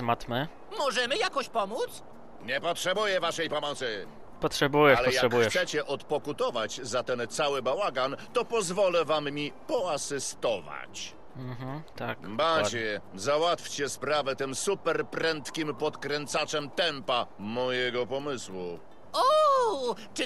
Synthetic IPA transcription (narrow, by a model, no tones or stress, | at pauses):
mat̪mɛ | mɔʐɛmɘjakɔɕpɔmut̪s | ɲɛpɔtʂɛbujɛvaʂɛjpɔmɔt̪sɘ | pɔtʂɛbujɛalɛjjabxjɛsɛt͡ɕɛʔɔt̪pɔkut̪ɔvad͡ʑzat̪ɛnt̪sawɘbawaɡant̪ɔpɔzvɔlɛvamːʲipɔasɘst̪ɔva̰t͡ɕ | m̩ɦt̪akbad͡ʑɛzawat̪fʲt͡ɕɛspɾavɛt̪ɘmsupɛɾpɾɛnt̪kʲimpɔt̪kɾɛnt̪sat͡ʂɛmt̪ɛmpamɔjɛɡɔpɔmɘswu | ɔ | t͡ʂ